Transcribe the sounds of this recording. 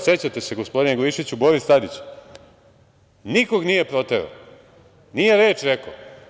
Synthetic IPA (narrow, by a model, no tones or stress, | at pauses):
se̞t͡ɕat̪e̞se̞ɡospo̞d̪ineɡoiʃit͡ɕubo̞ɾist̪ad̪it͡ɕ | niko̞ɡnije̞pɾo̞t̪eɾo̰ | nije̞ɾe̞ːt͡ʃɾeko